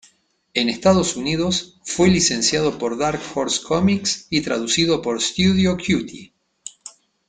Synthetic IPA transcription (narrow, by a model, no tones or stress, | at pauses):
enest̪aðo̞suniðo̞sfwe̞lise̞nsjað̞o̞po̞ɾðaɾkfoɾskʰomiksit̪ɾa̰ðusiðo̞poɾst̪uðjokʰjut̪i